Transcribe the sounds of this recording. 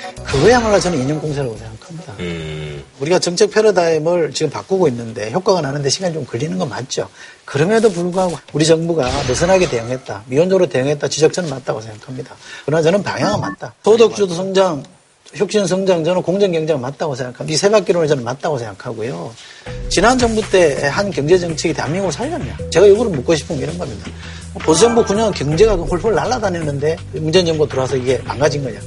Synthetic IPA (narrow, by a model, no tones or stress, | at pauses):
kɯɡʌjaŋaɭat͡ɕʌnɯniɲʌnkoŋsʰeɾaɡosʰeŋɡakʰamɲida | uɾiɡat͡ɕʌŋt͡ɕʰe̞k̚pʰe̞ɾodaimɯɭt͡ɕiɡɯmpak͈uɡoinːɯnde̞çjok͈waɣananɯnde̞ɕʰiɡaɲit͡ɕomkɯʎːinɯnɡʌmat̚t͡ɕ͈o̰ | kɯɾʌmedop̬uɭɡoɦaɡouɾit͡ɕʌŋbuɡanesʰɯnɦaɡite̞jʌŋɦe̞t̚t͈amiond͡ʑʌɡɯɾote̞jɯŋɦet̚t͈at͡ɕid͡ʑʌk̚t͡ɕ͈ʌnɯnmat̚t͈aɡosʰe̞ŋɡakʰamɲidakɯnat͡ɕʌnɯnpa̰ŋjaŋɯmat̚t͈asʰodok̚t͡ɕ͈udosʰʌŋd͡ʑaŋ | çjokɕ͈insʰʌŋd͡ʑaŋt͡ɕʌnɯnkoŋd͡ʑʌŋɡjʌŋd͡ʑeɡɯɭmat̚t͈aɡosʰe̞ŋɡakʰaisʰe̞bak͈iɾonet͡ɕʌnɯnmat̚t͈aɡosʰe̞ŋɡakʰaɡojo | t͡ɕinand͡ʑʌŋbut͈e̞hankjʌŋd͡ʑe̞d͡ʑʌŋt͡ɕʰeɡita̰miɡosʰaɭɡamɲat͡ɕe̞ɡajʌɡɯɾɯnmuk͈oɕʰi̥pʰɯmiɾʌnɡʌmɲida | posʰd͡ʑʌŋbukuɲʌŋankjʌŋd͡ʑe̞ɡakhoɭpʰoɭnaɭːadanenːɯnde̞mund͡ʑe̞nɲjʌmɡutuɾoasʰʌiɡe̞paŋɡad͡ʑinɡʌa